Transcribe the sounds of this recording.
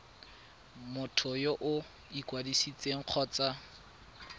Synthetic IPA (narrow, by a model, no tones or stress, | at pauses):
mʊtʰɔjoʔʊ | ikwadisit͡sʼeŋ̩q͡χʰɔːt͡sʼa